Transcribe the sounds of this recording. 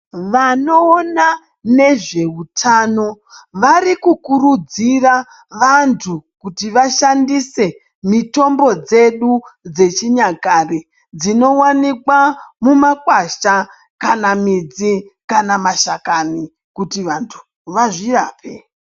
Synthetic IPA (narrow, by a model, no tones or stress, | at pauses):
ʋanoːna | ne̞ʐe̞utʰaːno̞ | ʋaɾikukuɾud͡zira | ʋantʰukutiʋaʃandise̞ | mito̞mbo̞d͡ze̞ɗud͡ze̞t͡ʃiɲakari | d͡zino̞wanikwamumakwaʃa | kanamid͡zikanamaʃakani | kutiʋantʰu̥ | ʋaʐiraːpʰe